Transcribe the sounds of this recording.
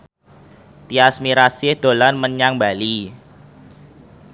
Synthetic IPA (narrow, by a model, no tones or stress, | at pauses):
t̪iasmiɾasɪhd̪̥olanməɲaŋbali